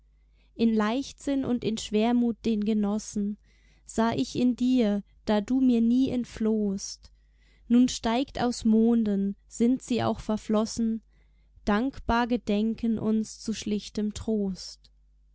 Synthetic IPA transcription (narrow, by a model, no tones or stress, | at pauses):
ʔɪnlaɪçtz̥ɪnʔʊ̰ntɪnʃv̥eːɐmuːt̚d̥eːnɡənɔsn̩ | z̥aːʔɪçɪndiːɐ | d̥aːduːmiːɐniːʔɛntfloːst | nuːnʃtaɪkta̰ʊsmoːndənz̥ɪntz̥iːʔa̰ʊxfɛɐflɔsn̩ | d̥aŋkb̥aːɐɡədɛŋkʰənʔʊ̰nst͡suʃlɪçtəmtʁ̥oːst